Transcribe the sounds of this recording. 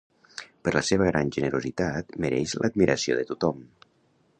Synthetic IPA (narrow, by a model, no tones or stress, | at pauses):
pəɾləseβ̞əɣ̞ɾanʲʒənəɾuzit̪at̪məɾɛ̰ʃlʔəd̪̚miɾʔəsio̰ðət̪ut̪ɔm